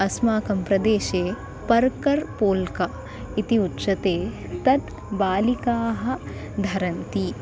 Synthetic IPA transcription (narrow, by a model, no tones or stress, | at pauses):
ɐsmaːkɐmpɾɐd̪eːʃeː | pɐɾkɐɾpoːlkɐ | it̪iutːʃɐt̪eː | t̪ɐt̪ | baːlikaːɦɐ̆ | d̪ʱɐɾɐnt̪i